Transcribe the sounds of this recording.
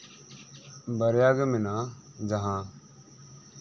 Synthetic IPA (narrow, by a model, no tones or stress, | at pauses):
bəɾjaːɡmɪnãːd͡ʒəɦãː